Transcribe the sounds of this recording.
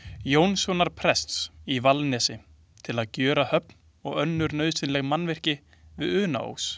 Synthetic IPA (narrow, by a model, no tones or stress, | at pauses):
joːwnsɔwnaɾ̥pʰɾɛst̪sivalnɛsɪ | t̪ʰɪlaðcœːɾahœpn | ɔ̰ɣœnːʏɾnœːɥsɪnlɛɣmanːvɛr̥cɪ | vɪðʏːna̰o̰ws